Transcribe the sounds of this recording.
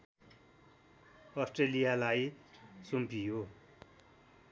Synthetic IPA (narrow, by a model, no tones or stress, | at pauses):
ʌsʈrelijalajsumpijo